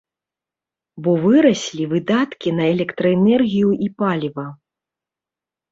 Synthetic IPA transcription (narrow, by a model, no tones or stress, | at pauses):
bɔvɨɾɐsʲlʲivɨd̪at̪kʲinɐɛlʲɛkt̪ɾɐɛnɛrɣʲijuʔipalʲivɐ